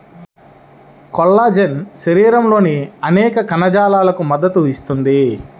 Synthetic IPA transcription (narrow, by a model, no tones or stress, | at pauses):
kɔlːaːd͡ʒenʃɐɾiːɾɐmlo̞ːniɐnɛːkɐkɐnɐd͡ʒaːlaːlɐkumɐd̪ːɐt̪uist̪und̪i